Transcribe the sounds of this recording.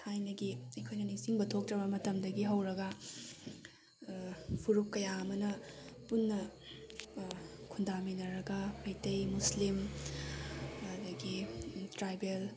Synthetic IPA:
tʰajnɐɡiɐjkʰojnɐnisiŋbɐtʰok̚tɾɐbɐmɐtɐmdɐɡiɦɐwɾɐɡɐ | pʰuɾup̚kɐjaɐmɐnɐ | punːɐ | kʰundaminɐɾɐɡɐpɐjtejmuslim | dɐɡitɾajbel

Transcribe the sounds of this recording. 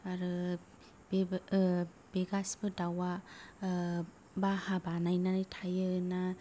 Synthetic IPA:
aɾɯ | be | b̥eɡasbɯdawa | bahabanajnanɯjtʰajɯna

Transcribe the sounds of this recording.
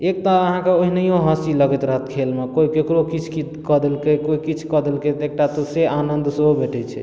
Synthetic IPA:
ek̚ʈ̪aəɦãkeoɦinəjoɦə̃siləɡɛt̪ɾəɦət̪kʰelmekoikekɾokit͡ʃʰkikəd̪elkekoikit͡ʃʰkəd̪elket̪ek̚ʈat̪ɔseanənd̪ʱsɦobeʈɛt͡ʃʰɛ̰

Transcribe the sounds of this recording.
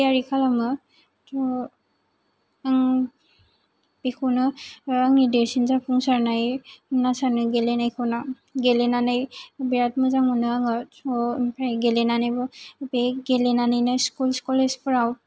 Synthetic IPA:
jaɾikʰalamɯ | tʰɔ | aŋ | bikʰɔnɯaŋnidesinzapʰuŋsaɾnajnasanɯɡelenajkʰɯwna | ɡelenanajbiɾat̚mɯzaŋɔnaaŋaɔpʰajɡelenanajbɔbeɡelenanajnaskulskɔlespɯɾaw

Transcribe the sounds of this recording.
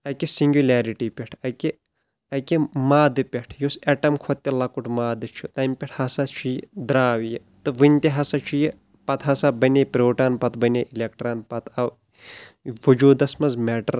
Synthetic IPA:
ɐkisiŋɡʲulʲeːɾiʈipʲeʈʰɐke | ɐkemaːd̪ɨpʲeʈʰjoseʈɐmkʰot̪ːilɐkuʈʰmaːd̪ɨt͡ʃʰut̪ɐmpʲeʈʰhɐsat͡ʃʰijd̪ɾaːʋji | t̪ɨʋɨnʲt̪iɦɐsat͡ʃʰiji | pɐt̪ɦɐsabɐnepʲɾoːʈaːnpɐt̪ʰbɐnʲeʔilʲek̚ʈɾaːnpɐt̪ʰɐʋ | ʋɐd͡ʒuːd̪ɐsmɐzmeʈɐɾ

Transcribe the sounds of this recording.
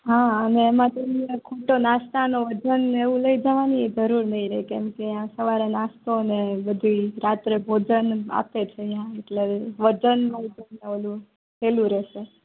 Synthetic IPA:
ɦãəneːmãt̪enkʰoʈonast̪anoʋəd͡ʒəneʋũləid͡ʒaʋanid͡ʒəɾuɾnəɦĩɾəɦikɛ̃mkejãsəʋaɾenast̪onebəd̪ʱuɾat̪ɾebʱod͡ʒəna̰pet͡ʃʰejãeʈleʋəd͡ʒənmãd͡ʒ̪əneʋəlũ | tʰelũɾɛʃe

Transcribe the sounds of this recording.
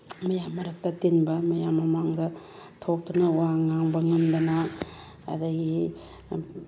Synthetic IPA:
mɐjamːɐɾɐk̚tɐtenbɐmɐjamːɐmaŋdɐ | tʰok̚tɐnɐwaŋaŋbɐŋɐmdɐna̰ː | daɡi

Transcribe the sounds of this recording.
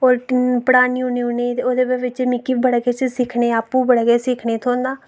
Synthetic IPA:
oːɾpəɽaːnijũniuneːoːd̪eːbeːʋɪt͡ʃmɪkːibəɽɡeːt͡ʃsɪkʰneːaːpːũːbəɽɡeːsɪkʰneːt̪ʰoːnd̪aː

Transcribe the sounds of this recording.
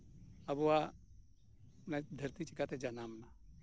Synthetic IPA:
ɐbowa | nad̪ʱɐɾt̪it͡ʃikat̪ed͡ʒanaːmna

